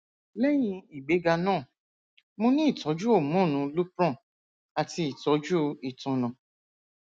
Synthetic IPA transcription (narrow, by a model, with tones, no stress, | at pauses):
lɛ˦j̃ĩ˧i˨ɡ͡be˨˦ɡa˧nãː˦˨ | mõ˧nĩ˦i˦˨tɔ˨˦d͡ʒu˦o˦˨mɔ̃˦˨nũ˨˧lu˦pɾɔ̃˦˨ | a˨ti˧i˨tɔ˨˦d͡ʒu˦˧i˨tɔ̃˧nɔ̃˨